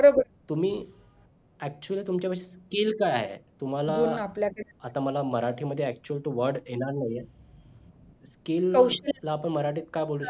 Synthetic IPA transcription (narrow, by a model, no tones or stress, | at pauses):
bəɾobəɾ | t̪um̤iː | æk̚t͡ɕuəliːt̪umt͡ɕapaseskilkaja̰ɦḛt̪um̤alaunapljakəɽeat̪aməlaməɾaʈʰiːməd̪ʱːjeæk̚t͡ɕuəlʈuʋəɾɖeñaɾnaɦje | skiləlaːpəɳməɾaʈiːt̪kajbolu